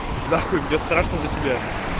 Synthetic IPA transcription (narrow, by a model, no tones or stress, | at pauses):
d̪aomnʲest̪ɾaʂnəzətʲɪbʲa